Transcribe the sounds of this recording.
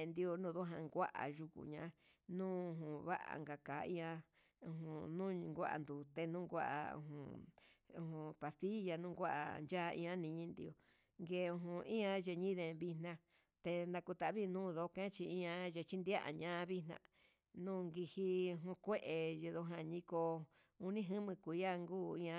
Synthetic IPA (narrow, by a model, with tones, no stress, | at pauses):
nd̪i˧o˧nũː˦˧˨ðo˦ɦã˧ŋɡʷa˦ʔa̰˨ʒu˧kṵ˨ɲã̰˧˦ | nũː˦˧ɦũ˧˨βa˦ʔa̰˨ŋɡa˧kaː˨˦ḭ̃˦ã˧ | ũ˧ɦũ˧nũ˦˧ŋɡʷa˦ʔa̰˧nd̪u˨t̪e˧nũː˦ŋɡʷa˦ʔa̰˧ṵ˧ɦṵ̃˧˨ũ˧hũ˧pa˨st̪i˦ja˧nũ˦ɡʷa˦ʔa̰˨nd͡ʒa˦˧ĩ˧ã˦nĩ˧ɲĩ˦nd̪i˧o˧ | ŋɡe˧˨˧ũ˧ɦũ˧ĩ˦ã˧ʒe˧ɲĩ˦ðe˧βi˧nã˧ | t̪e˧nã˧ku˧t̪a˨˧βi˦˧nũː˦˧ðo˧˦kẽ˦t͡ʃi˧ĩ˦ã˧je˧t͡ʃi˦nd̪i˦a˦ʔa̰˨ɲã˦˧βi˦nã̰˧ | nũː˦˨ŋɡi˧hi˧ũ˧ɦũ˧kʷe˦ʔe˨je˧ðo˧ɦã˧ɲĩ˧ko˧ | u˧nĩ˦ɦɨ̃˦mɨ̃˧kʷu˨˧ja˦ŋɡuː˦˨ĩ˦ã˧